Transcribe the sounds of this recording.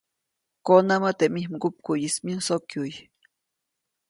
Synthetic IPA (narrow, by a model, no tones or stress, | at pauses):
konamat̪emihmɡup̚kujismiusokjuj